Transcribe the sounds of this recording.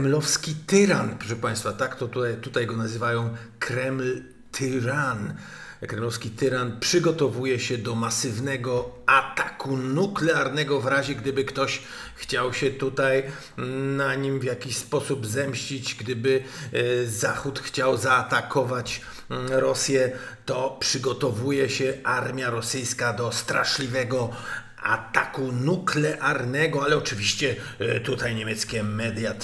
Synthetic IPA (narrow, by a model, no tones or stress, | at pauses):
mlɔfskʲit̪ɘɾanpɾɔʂɛpãj̃st̪fat̪akt̪ɔt̪ut̪ut̪ajɡɔnazɘvajɔ̃w̃kʰɾɛml | t̪ʰɘɾan | kɾɛmlɔfskʲit̪ɘɾanpʂɘɡɔt̪ɔvujɛɕɛd̪ɔmasɘvnɛɡɔat̪akunuklɛaɾnɛɡɔvɾaʑɛɡd̪ɘbɘkt̪ɔɕ | xt͡ɕawɕɛt̪ut̪aj | naɲimvʲjakʲiɕspɔsubzɛmɕt͡ɕid͡ʑɡd̪ɘbɘ | zaxut̪xt͡ɕawzaːt̪akʰɔvat͡ɕ | ɾɔsjɛt̪ɔpʂɘɡɔt̪ɔvujɛɕɛaɾmʲjaɾɔsɘjskad̪ɔst̪ɾa̰ʂlʲivɛɡɔ | a̰t̪akunuklɛʔaɾnɛɡɔalɛɔt͡ʂɘvʲiɕt͡ɕɛ | t̪ut̪ajɲemʲjɛt̪skʲɛmɛd̪ja